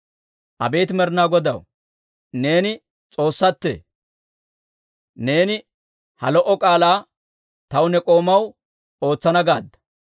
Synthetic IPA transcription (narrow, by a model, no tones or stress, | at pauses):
ʔɐbe̞ːt̪mɛɾnaːɡɔd̪ɐw | ne̞ːnɪ | t͡sʼo̞ːsːɐt̪ːḛː | ne̞ːnɪ | hɐlɔʔɔkʼaːlaː | t̪ɐwnɛkʼo̞ːmɐw | oːt͡sːɐnɐɡaːd̪ːɐ̥